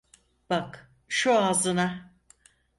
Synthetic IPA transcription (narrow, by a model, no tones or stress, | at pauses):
b̥ak | ʃuaːzɯna